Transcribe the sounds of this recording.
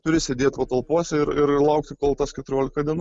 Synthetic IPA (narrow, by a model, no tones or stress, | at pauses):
t̪ʊɾʲɪsʲɛd̪ʲeɛt̪ʲpɐt̪ɐlˠpuɔsʲɛɪɾɪɾɪlˠɐʊkt̪ʲɪkoːlˠt̪ɐskʲɛt̪ʊɾʲoɔlʲɪkɐd̪ʲiɛn